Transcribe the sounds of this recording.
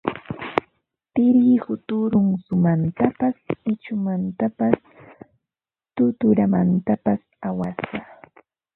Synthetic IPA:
t̪ɪɾjɪhʊt̪ʊɾʊŋsʊmant̪apasɪt͡ʃʊmant̪apas | t̪ʊt̪ʊɾamant̪apas | awasɢa

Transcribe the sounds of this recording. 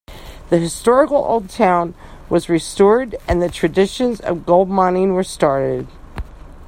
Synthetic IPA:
ðɨɦɨstɔɹɨkl̩ˠo̰ʊlˠd̚tʰãʊ̃nwʌzɹistɔɹɾɨ̃nðɨtʰɹ̥ɨdɪʃɨ̃nzʌ̰vɡoʊlˠd̚mɑnĩnwə˞stɑɹɾɪd̥

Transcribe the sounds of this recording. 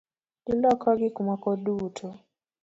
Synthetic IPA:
lilɔkʰɔɡɪkumakɔduːtʰɔ

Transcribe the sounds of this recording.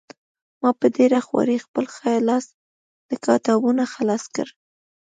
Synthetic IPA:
mɑpəd̪eɾaxwɑ̰ɾixpəlxɑjlɑs | d̪̥əkɑt̪ɑwunaxalɑskə̰ɾ

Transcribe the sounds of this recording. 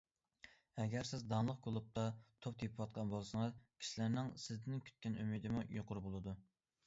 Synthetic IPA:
ɛɡʲæɾsɪzd̪ɑnlˠəqkʰolˠup̚t̪ʰɑt̪ʰop̚d̪ʰepʰɪwɑt̪̚qʰɑnbolˠsɨŋɨzkʲʰi̥ʃilæɾnɪŋsɪzd̪ɪnkʲʰy̥t̪̚kʲɛnymid̪ɪmujoqʊɾbolˠɨd̪u

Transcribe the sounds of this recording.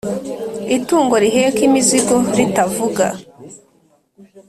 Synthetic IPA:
ituːŋɡo̞ɾiɦeːkimiziɡo̞ɾitavuɡa̰

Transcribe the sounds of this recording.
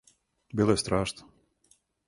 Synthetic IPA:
bʲelˠest̪ɾaʂt̪

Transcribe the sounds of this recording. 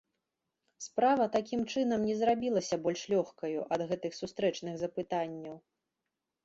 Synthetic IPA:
spɾavɐt̪akʲimt͡ʂɨn̪ɐmnʲɛzɾabʲilˠɐsʲɐbɔlʲʂlʲɔxkɐjuʔɐd̪ɣɛt̪ɨxsust̪ɾɛt͡ʂnɨɣzɐpɨt̪anʲːɐw

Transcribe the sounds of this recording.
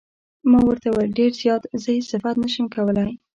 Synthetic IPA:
mɑwəɾt̪awaɖeɾzjɑt̪zəhessɪfat̪nəʃəmkawəlaj

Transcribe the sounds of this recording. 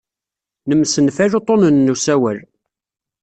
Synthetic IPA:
nəmsənfæʒot̪ˤːonənːusæwəl

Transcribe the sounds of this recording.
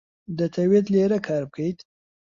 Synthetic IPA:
d̪ət̪ʰawjet̪leɾakʰɑːɾb̚kʰəjt̪

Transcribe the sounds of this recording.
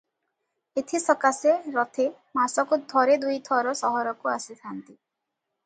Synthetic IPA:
et̪ʰisɔkaseɾɔt̪ʰe | masɔkud̪ʱɔɾed̪ujt̪ʰɔɾɔsɔɦɔɾɔkuasit̪ʰant̪i

